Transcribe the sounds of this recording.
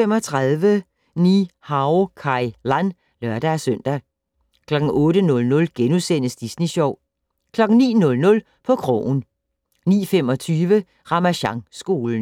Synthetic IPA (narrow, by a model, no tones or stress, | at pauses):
fem̰ɒt͡sʰʁaðˠʋə | nihɑ̈ʊkʰɑ̈ɪlæn | lɶɐɾ̥ææsøn̰d̥æ | kʰlɒ̽ɡ̥ŋ̩ʔɔ̽ːɾənɔ̽lnɔ̽lɡ̥enusen̰əsd̥isniɕɒʊ̰ | kʰlɒ̽ɡ̥ŋ̩nḭːnɔ̽lnɔ̽l | pʰɒ̽kʰʁɔ̰ːn | nḭːfem̰ɒ̽t͡sʰyːʋə | ʁɑ̈mæɕɑ̈ŋsɡ̥o̝ːln̩